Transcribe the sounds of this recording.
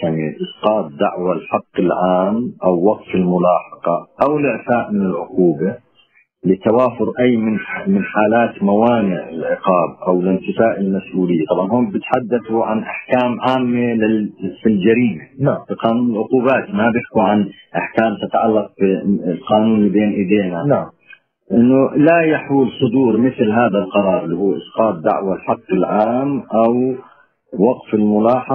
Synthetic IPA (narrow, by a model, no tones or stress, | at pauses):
jaʕniʔɨsqɑːt̪̚ˤd̪aʕwalħɑqːɪlʕaːmʔawːɑqt̪ɪlmʊlaːħɑqɑʔawlʔɪʕθaːʔmɪnɪlʕʊquːba | lɪt̪awaːfʊɾʔajːmɪnmɪnħaːlaːt̪mawaːnɪʕɪ̰lʕɪqɑːb̚ʔawɪlɪnt̪ɪfaːʔɪlmasʔuːlɪjːat̪ˤɑbʕɑnhuːnbɪt̪ħad̪ːaθuʕanʔaħkaːmʕaːmːalɪfild͡ʒaɾiːmenfiqɑːnuːnɪlʕʊquːbaːt̪mabjɪħkuʕan | ʔaħkaːmt̪ɪt̪ʕalːɑq̚bilqɑːnuːnlibeːnʔɪd̪eːnanaʕm | ʔɪnːʊlajaħuːlsˤʊd̪uːɾmɪθlɦaːðalqɑɾˤɑːɾˤɪlːihuːʔɪsqɑːt̪̚ˤd̪a̰ʕwalħɑqːɪlʕaːmʔaw | wɑqfɪlmʊlɑːħɑ